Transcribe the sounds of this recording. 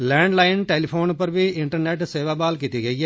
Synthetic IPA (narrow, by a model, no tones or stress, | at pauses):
lɛ̃ːɳɖlaːɪnʈeːlipʰoːnpəɾʋiɪɳʈəɾneːʈseːʋaːbaːlkiːt̪iːɡəiːɛː